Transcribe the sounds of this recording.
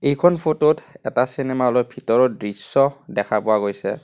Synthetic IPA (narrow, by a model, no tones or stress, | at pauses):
ejkʰɔnpʰototɛtasinɛmaɔlɔjbʱitɔɹɔdɹisːɔdɛkʰapʊwaɡojsɛ̰